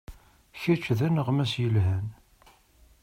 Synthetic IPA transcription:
çæt͡ʃːðænəʁmæsjəlɦæn

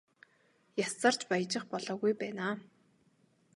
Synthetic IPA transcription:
jasə̆r̥t͡ɕpaj̆t͡ɕɪ̆χpɔɮɔːɣujpæːnaː

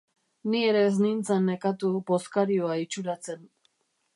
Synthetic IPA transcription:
nie̞ɾe̞z̬nint͡sanːekat̪ubo̞skaɾioait͡ʃuɾat͡se̞n

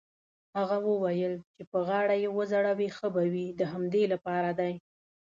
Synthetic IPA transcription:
haɣawəwajəlt͡ʃepəɣɑɽajewəzaɽawixəbawid̪əɦamd̪elapɑɾad̪aj

